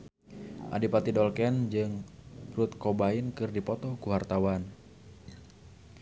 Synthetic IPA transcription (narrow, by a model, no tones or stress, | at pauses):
ʔa̰dipat̪idɔlkɛnd͡ʒɨŋrut̪kɔbainkɨrdipɔt̪ɔkuɦart̪awan